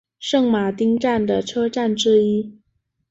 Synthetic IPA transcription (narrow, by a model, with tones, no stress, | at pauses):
ʂɤ˥˩ŋma˨˩t̪i˥ŋʈ͡ʂa˥˩nd̪ə˩ʈ͡ʂʰɤ˥ʈ͡ʂa˥˩nʈ͡ʂɻ̩˥i˥